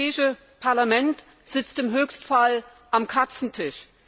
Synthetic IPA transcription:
ɛːɪʃə | pʰaɐlamɛnt | z̥ɪt͡stɪmɦøːçstfal | ʔamkʰat͡sn̩tʰɪʃ

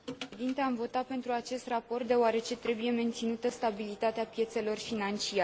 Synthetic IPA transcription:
eed̪int̪eamvo̞t̪at̚pe̞nt̪ɾuat͡ʃe̞st̪rapo̞rt̪̚d̪e̞oaɾe̞t͡ʃe̞t̪ɾe̞buje̞me̞nt̪sinut̪əst̪abilit̪at̪eapje̞t̪se̞lo̞rfinant͡ʃia

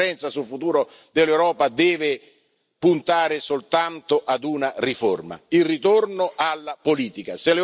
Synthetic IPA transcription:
ɛnt̪sasulfut̪uːɾod̪elːewɾɔːpad̪ɛːvɪ | punt̪aːɾɪsolt̪ant̪oʔad̪unariforma̰ilrit̪ornoʔalːapoliːt̪ikaselːe

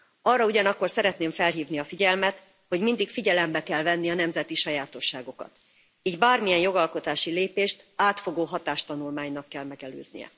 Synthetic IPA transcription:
ɒrːɒuɟɒnɒkːo̞rsɛɾɛt̪neːɱfɛlɦiːvniɒfiɟɛlmɛt̪ | ho̞ɟmind̪ikfiɟɛlɛmbɛkɛlvɛnːiɒnɛmzɛt̪iʃɒjaːt̪o̞ʃːaːɡo̞kɒ̰t̪ | ɛɟbaːrmijɛnjo̞ɡɒlko̞t̪aːʃileːpeːʃt̪aːt̪fo̞ɡoːɦɒt̪aːʃt̪ɒnulmaːɲnɒkːɛlmɛɡɛlø̰ːznḭjɛ̰

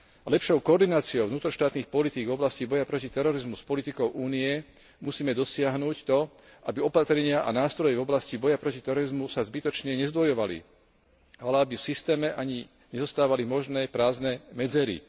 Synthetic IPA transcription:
lɛpʃɔʊkɔɔːɾd̪inaːt͡siɔʊvnuːt̪ɾɔʃt̪aːt̪niːxpɔlit̪iːɡvɔblascibɔjapɾɔcit̪ɛɾɔɾizmuspɔlit̪ikɔʊʔuːniɛ | musiːmɛd̪ɔsɪaɦnuːct̪ɔ | ʔabiɔpat̪ɾɛɲɪaʔa̰naːst̪ɾɔjɛvɔblascibɔjapɾɔcit̪ɛɾɔɾizmusazbit̪ɔt͡ʃɲɛɲɛzd̪ʋɔjɔʋalḭ | alɛabifsist̪ɛːmɛʔaɲi | ɲɛzɔst̪aːʋalimɔʒnɛːpɾaːznɛːmɛd͡zɛɾḭ

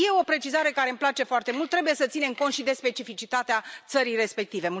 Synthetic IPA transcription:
je̞o̞pɾe̞t͡ʃizaɾe̞kaɾeɨmplat͡ʃe̞foart̪e̞mult̪ːɾebuje̞sət̪sine̞mkont̪ʃid̪e̞spe̞t͡ʃifit͡ʃit̪at̪eat̪səɾijre̞spe̞k̚t̪ive̞mu

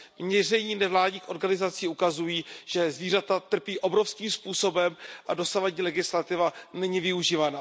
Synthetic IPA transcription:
vɲɛrɛɲiːnɛvlaːdɲiːxʔo̞ɾɡanɪzat͡siːukazujiːʒ̥ɛzviːr̝at̪at̪r̩piːʔo̞bɾo̞fskiːmspuːso̞bɛmʔado̞savaɟɲiːlɛɡɪslat̪ɪvanɛɲivɪuʒiːvana

